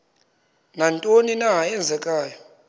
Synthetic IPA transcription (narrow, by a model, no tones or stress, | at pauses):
nantʼoninaɦaɛnd͡zʱɛkʼaːjɔ